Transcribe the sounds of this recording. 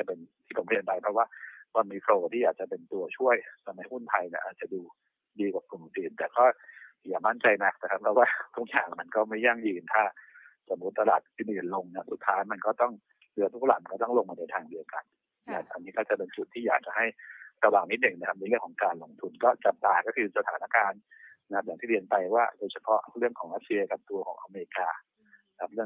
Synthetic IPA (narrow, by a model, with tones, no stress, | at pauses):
t͡ɕa˨˩pe˧nt̪ʰiː˥˩pʰo˩˦pʰe˧˩˧npa˧jpʰɾɔ˦˥waː˥˩wa˧nmiː˧kʰɾoː˧t̪ʰiː˥˩jaː˨˩k̚t͡ɕa˨˩pe˧nt̪u˧ɐt͡ɕʰu˥˩əjsa˧ma˦˥jhu˥˩nt̪ʰa˧jnḭ˥˩ʔaː˨˩t̪̚t͡ɕa˨˩duː˧ | diː˧kwaː˨˩ku˨˩m˧˩t̪iː˨˩nt̪ɛː˨˩kɔː˥˩jaː˨˩ma˥˩nt͡ɕa˧jna˦˥k̚naː˨˩kʰa˦˥pʰɾɔ˧˦˥waː˥˩t̪ʰu˦˥k̚jaː˨˩ŋma˧nkɔː˥˩ma˥˩jːa˥˩ŋjɯː˧nt̪ʰaː˥˩so˩˦mu˦˥t̪ːa˧la̰ː˨˩t̪̚ki˧˩nɯː˨˩nlo˧ŋnɔ˦˥su˨˩t̪ʰːaː˦˥jma˧nkɔː˥˩t̪ɔ˥˩ŋ | lɯ˧ət̪ʰu˦˥k̚laː˨˩˦mkɔː˥˩t̪ɔ˥˩ŋlo˧ŋmaː˧doː˧jt̪ʰaː˧ŋdi˧əwka˨˩n | na˧kʰa˦˥p̚ʔa˧nːiː˦˥kɔː˥˩t͡ɕa˨˩pe˧nt͡ɕu˨˩t̪ʰːiː˥˩jaː˨˩k̚t͡ɕa˨˩ɦa˥˩jɾa˧waː˨˩ŋni˦˥t̪̚ne˨˩ŋna˦˥kʰa˦˥p̚na˧ɾɯ˥˩əŋkʰɔː˩˦ŋkaː˧nlo˧ŋt̪ʰu˧nkɔː˥˩t͡ɕa˨˩p̚t̪aː˨kɔː˥˩kʰɯː˧sa˧t̪ʰaː˩˦na˦˥kaː˧n | na˦kʰa˦˥p̚ja˨˩ŋt̪ʰiː˥˩ɾi˧ənpa˧jwaː˥˩doː˧jt͡ɕʰa˧pʰɔ˦˥ɾɯ˥˩əŋkʰɔː˩˦ŋɾa˦˥t̪̚si˧ɐka˨˩p̚t̪u˧ɐkʰɔː˩˦ŋʔa̰˧meː˧i˧kaː˧ | na˧˩kʰa˦˥p̚ɾɯ˥˩əŋ